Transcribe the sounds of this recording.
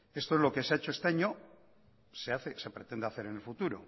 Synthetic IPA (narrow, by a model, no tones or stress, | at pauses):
e̞st̪oelo̞keseaet͡ʃoe̞st̪eaɲo | seaθesepɾet̪end̪eaθe̞ɾenelfut̪uɾo̰